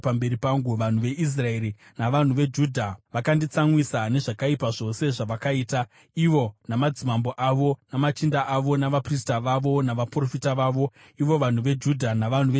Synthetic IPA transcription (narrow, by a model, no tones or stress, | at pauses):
pambe̞ɾipaŋɡuʋan̤uʋe̞ʔis̬rae̞ɾi | naʋan̤uʋe̞d͡ʒuːdʱaʋakandit͡samwisane̞ʐakaipaʐo̞se̞ʐaʋakaiːta | iʋo̞namad͡zimambo̞ʔaʋo̞namat͡ʃindaʔaʋo̞naʋapris̬taʋaʋo̞naʋapro̞fitaʋaːʋo̞ | iʋo̞ʋan̤uʋe̞d͡ʒudʱanaʋan̤uʋ